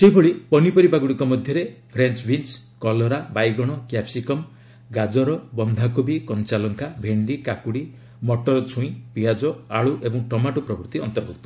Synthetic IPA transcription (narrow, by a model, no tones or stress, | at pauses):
seibʱɔɭipɔnipɔɾipaɡuɽikɔmɔd̪ʱjɔɾepʰɾent͡ʃbʱins | kɔlɔɾabajɡɔɽ̃ɔkjapsikɔm | ɡad͡ʒɔɾɔbɔnd̪ʱakubikɔnt͡ʃalɔŋkʰabʱeɳɖikakuɽi | mɔʈɔɾɔt͡ʃʰuĩpiad͡ʒɔaɭuʔebɔŋʈɔmaʈupɾɔbɔɾt̪iɔnt̪ɔɾɡuk̚t̪ɔ